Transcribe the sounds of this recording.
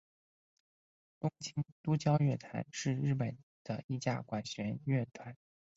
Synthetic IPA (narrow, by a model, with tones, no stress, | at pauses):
t̪ʊ˥ŋt͡ɕʰi˥nt̪u˥t͡ɕjɑ˥ʊɥɛ˥˩t̪ʰa̰˧˥nʂɻ̩˥˧ɻɻ̩˥˩pə˨˩nd̪̥ə˦i˥˧t͡ɕja̰˥˩kwa˨˩nɕɥɛ˧˥nɥɛ˥˩t̪ʰwa˧˥˦n